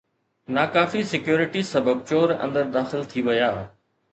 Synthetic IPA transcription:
naːkaːfisɪkjoːɾɪʈisɐbəb̚t͡ɕoːɾɐ̰̃nd̪əɾd̪aːxɪlt̪ʰiʋɐjaː

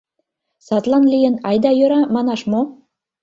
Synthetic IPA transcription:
sɑt̪lɑnlijə̆nɑjd̪ɑjøɾɑmɑnɑʃmo

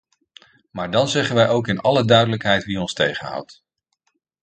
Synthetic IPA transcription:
maːɹdɑnzɛχənʋɛjʔowkɪnɑlədœɥdələkɦɛjtʋiɔnstejχənɦʌ̰wt

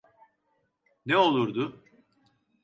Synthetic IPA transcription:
nɛo̞lˠuɾd̪ʊ

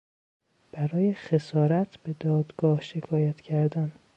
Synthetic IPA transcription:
b̥æɾɒːjexe̞sɒːɾæt̪ʰb̥e̞d̪ɒːd̪ɡ̥ɒːhʃe̞kʰɒːjæt̪ʰcʰæɾd̪æn

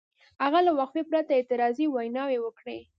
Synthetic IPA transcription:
haɣalawaqfipɾat̪aet̪ɪɾɑziwajnɑwewəkɽe

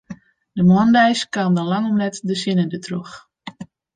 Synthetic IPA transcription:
dəmɔndɛjskaːmdɔnlaŋɔmnɛtdəsinədətʰrux

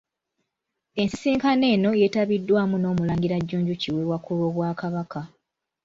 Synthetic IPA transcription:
e̞nsi̥siːŋkane̞ːno̞je̞taβidːwaːmuno̞ːmulaːŋɡiɾaɟːuːɲɟuciwewakulwo̞ːβwaːkaβaka

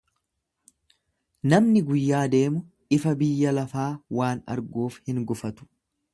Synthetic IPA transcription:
nɐmnɪɡʊjːaːd̪e̞ːmʊ | ʔɪfɐbɪjːɐlɐfaːwaːnɐ̰ɾɡuːfhɪŋɡʊfɐt̪ʊ̥

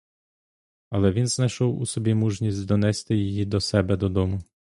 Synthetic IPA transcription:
ɐlˠɛʋʲinznɐjʃɔwusɔbʲimuʒnʲisʲtʲd̪ɔnɛst̪ɪjɪjid̪ɔsɛbɛd̪ɔd̪ɔmʊ

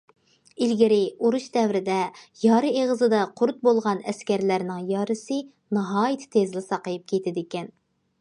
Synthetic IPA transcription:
ilɡʲɪɾɪuɾuʃd̪ɛwɾɪd̪ɛjɑːɾɨeʁəzɨd̪ɑqʰʊɾt̪̚bolˠʁɑnɛskʲæɾlæɾnɪŋjɑːɾɨsɨ | nɑɦɑːjɪt̪ʰt̪ʰezlɪsɑqəjɪp̚kʲʰet̪ʰɪd̪ɪkʲɛn

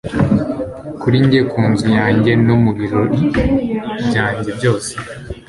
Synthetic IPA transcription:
kuɾiɲɟe̞kʰuːnzujaːɲɟe̞nomuɡiɾoɾi | bɟaːɲɟe̞bɟo̞ːse̥

